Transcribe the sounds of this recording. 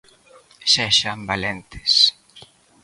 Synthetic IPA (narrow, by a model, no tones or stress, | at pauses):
sɛʃambalent̪ɪ̥s